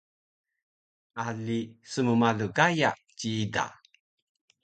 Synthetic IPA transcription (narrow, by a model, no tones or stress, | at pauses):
ʔaɮisəmumaɮuɡaja | t͡ɕiida̰